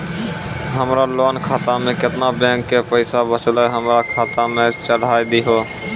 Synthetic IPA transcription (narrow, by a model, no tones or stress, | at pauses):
ɦəmɾaloːnkʰaːt̪amẽkɪt̪nabɛ̃ŋkːepəɪsabət͡ʃləɦəmɾakʰaːt̪amẽt͡ʃəɽ̤aːjd̪iɦo